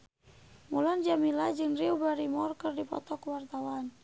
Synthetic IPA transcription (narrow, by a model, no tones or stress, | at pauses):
muland͡ʒamilad͡ʒɨŋriubaɾimɔrkɨrdipɔ̰t̪ɔkuwart̪awan